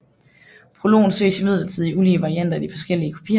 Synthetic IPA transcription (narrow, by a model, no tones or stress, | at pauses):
pʰʁo̝lo̝̰ːn̩sø̰ːsimið̞̰ˠl̩t͡sʰið̰ˠiuliəʋɑ̈ʁiæn̰d̥ɐd̥ifɒ̽sɡ̥el̰iəkʰu̥pʰḭɐ